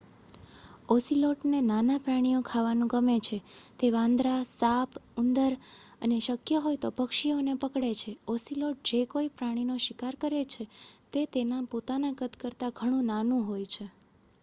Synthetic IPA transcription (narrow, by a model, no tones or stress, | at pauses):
ɔsiloʈnenanapɾaɽ̃ijokʰaʋanũɡəmet͡ʃʰet̪eʋãnd̪ɾasapʰʊnd̪əɾəneʃəkjəɦojt̪opəkʃionepəkɽet͡ʃʰeɔsiloʈ̚d͡ʒekoipɾaɽ̃inoʃɪkaɾkəɾet͡ʃʰet̪et̪enãpot̪anaɡət̪kəɾt̪aɡʱəɽ̃ũnanũɦojt͡ʃʰe